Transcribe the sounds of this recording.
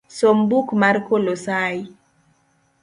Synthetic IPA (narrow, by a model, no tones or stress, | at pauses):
sombukmaɾkolosaj